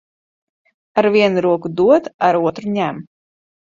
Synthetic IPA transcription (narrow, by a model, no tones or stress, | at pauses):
aɾviɛnuɾuɔkud̪uɔt̪aɾuɔt̪ɾuɲʲæm